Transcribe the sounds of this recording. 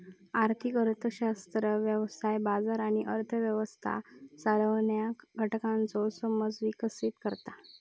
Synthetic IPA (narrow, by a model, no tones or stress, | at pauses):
aɾt̪ʰikəɾt̪ʰəɕast̪ɾəʋjəʋsajbad͡zaɾaɽ̃iʔəɾt̪ʰəʋjəʋəst̪ʰa̰saɾəʋɳjaɡʱəʈkãnt͡sɔsəməd͡zʋikəsit̪kəɾt̪a